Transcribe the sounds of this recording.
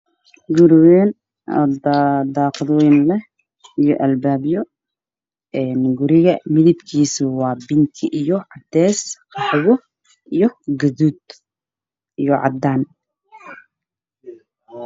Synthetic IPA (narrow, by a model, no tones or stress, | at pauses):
ɡʊɾɪwɛːn̰ | d̪aːqðwɛːnlɛh | ijɔʔɐlbaːbjɔ | ʔɛːnɡʊɾɪɣɐmɪðɪbkʰiːsʊwɑːbɪnt̪ʰɪʔijɔʕɑd̪ɛːsqɑħwɔ | ʔijɔɡɐðuːd̪ | ijɔʕɑ̰d̪aːn